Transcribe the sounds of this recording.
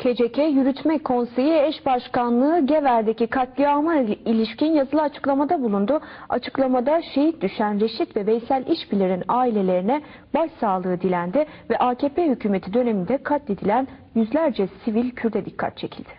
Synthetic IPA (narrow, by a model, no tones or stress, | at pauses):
cʰe̞d͡ʒecʰɛjyɾyt̪ʰmɛkʰo̞nse̞jiɛʃbaʃkanlˠɯːɟevæɾd̪e̞cikʰat̪lʲiamailʲiʃcinjazɯlˠɯat͡ʃʰɯ̥klˠamad̪abulˠund̪ʊat͡ʃʰɯ̥klˠamad̪aʃe̞ɦit̪̚d̪yʃænɾe̞ʃit̪vɛvejsælʲʔiʃbilʲeɾinaːilʲe̞lʲe̞ɾinɛ | baʃsaːlˠɯɯːd̪ilʲænd̪ɪvɛʔaːcʰeːpʰeːhycʰyːme̞t̪ʰid̪ø̞ne̞mind̪ɛkʰat̪lʲed̪ilʲænjyzlʲæɾd͡ʒɛsivilʲcʰyɾd̪ɛd̪ikʰːa̰t̪̚t͡ʃʰe̞cʰilʲd̪̥ɪ̥